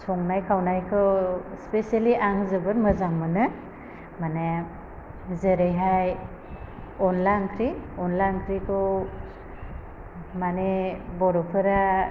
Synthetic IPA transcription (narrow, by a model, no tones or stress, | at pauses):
sʰɔŋnajkʰawnajkʰɯwspesaliʔaŋzɯbɯɾmɯzaŋmɯnɯ | mane | zeɾejɦaj | ɔnlaŋkʰɾiɔnlaŋkʰɾikʰɔ | manebɔɾɔpʰɯɾa